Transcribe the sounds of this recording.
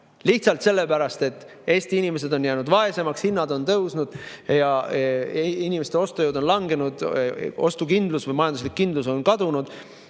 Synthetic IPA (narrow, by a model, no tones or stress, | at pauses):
liht̪sɑlt̪se̞lːe̞pæɾɑst̪e̞t̪ːˑ | e̞ːsʲt̪iinʲime̞s̬e̞d̪o̞njæːnud̪vɑe̞se̞mɑkshinːɑd̪o̞nt̪ɤwsnud̪̥jɑ | inʲimest̪eo̞st̪ojowd̪o̞nlɑŋɡe̞nud̪̥o̞st̪ukind̪lusvɤjmɑjɑnd̪uslikːind̪luso̞nkɑd̪unud̪̥